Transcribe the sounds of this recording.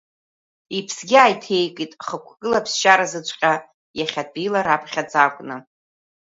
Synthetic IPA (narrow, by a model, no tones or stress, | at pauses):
ipʰsɡʲiajtʰe̞jkʼitʼχəkʷʰkʼɨlapʰsʃaɾazɨt͡ɕʷʼqʲʼa | jaχʲad̚bilaɾapʰʼχʲad͡zʼakʷʼnɨ